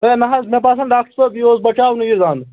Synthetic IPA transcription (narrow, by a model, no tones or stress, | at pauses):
eːnɐɦɐsmẽpaːsɐnɖaːk̚ʈəɾsɐːbjioːsbɐt͡ʃaːwnuɡiɾd̪aːn